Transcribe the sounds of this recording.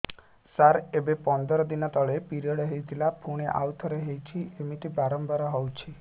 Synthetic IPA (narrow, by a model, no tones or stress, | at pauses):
saɾebepɔnd̪ɔɾɔd̪inɔt̪ɔɭepiɾiɔɽɔɦejt̪ʰilapʰuɽ̃eʔa̰wt̪ʰɔɾeɦejt͡ʃʰiemiʈibaɾɔmbɔɾɔɦɔwt͡ʃʰi